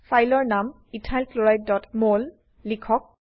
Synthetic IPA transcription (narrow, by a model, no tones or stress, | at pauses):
fʰajlɔɹnam | itʰajlkloɹajt̚dɔtmolː | ikʰɔk̚